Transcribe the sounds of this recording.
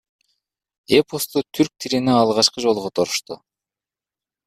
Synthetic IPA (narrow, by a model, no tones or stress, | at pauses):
epost̪ut̪ʰyɾk̚t̪ʰiɾineɑlˠʁɑt͡ʃqɯd͡ʒolˠʁot̪ʰoɾu̥ʃt̪ʊ